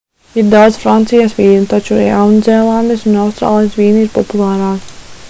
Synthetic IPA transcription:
iɾd̪awd̪zfɾant̪sijasʋiːnut̪at͡ʃṵjawnzʲɛːlˠand̪esunawst̪ɾa̰ːlˠijsʋiːniɾpɔpulˠɑːɾaː

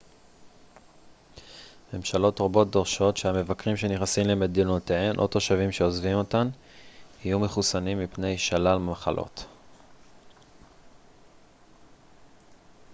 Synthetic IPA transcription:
me̞mʃalo̞tʁobo̞t̚doʁʃo̞tʃeame̞vakʁimʃe̞niχnasimleme̞dinoteenʔo̞to̞ʃavimʃeozvimo̞tan | hijumeχusanimːipne̞jʃalalmaχalʔo̞̰t

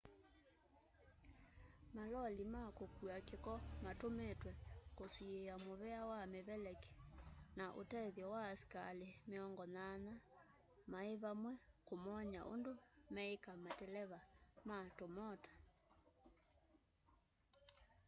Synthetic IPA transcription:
malɔlimakokuakekɔmatometwɛkosieamoβɛawameβɛlɛke̥naʔotɛðjɔwaskalemeɔŋɡɔnana | maeβamwɛkomɔɲa̰ʔo̰ndomɛekamatɛlɛβamatomɔtḁ

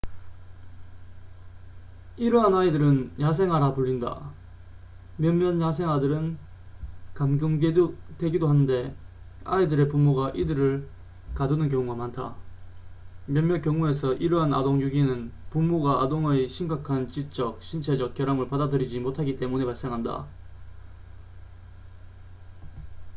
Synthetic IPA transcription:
iɾʌɦanaidɯɾɯnjas̬ʰe̞ŋɦwaɾapuʎːinda̰ | mjʌnmjʌnjasʰe̞ŋɦwadɯɾɯn | kamɡjuŋɡedwe̞ɡidoɦanːɯnde̞ | a̰idɯɾe̞pumːoɡaʔidɯɾɯɭ | kadɯnɯnkjʌŋuɡamantʰa̰ | mjʌnmjʌnkjʌŋue̞sʰʌʔiɾʌɦana̰doŋjuɡinɯnpumːuɡaadoŋɯjɕʰimɡakʰant͡ɕit͡ɕ͈ʌk̚ɕʰint͡ɕʰe̞d͡ʑʌk̚k͈jʌɾamɯɭpadadɯɾid͡ʑimotʰaɡit͈e̞mune̞paɭs͈e̞ŋɦanda̰

